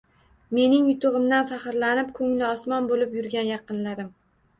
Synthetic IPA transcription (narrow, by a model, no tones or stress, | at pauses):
me̞nɪŋjʊt̪ʊʁɨmd̪anfɑχɨɾlanɪp̚kʰɵŋlɪɒsmɒnbolɪpjʊɾɡʲanjɑqɨnlaɾɪm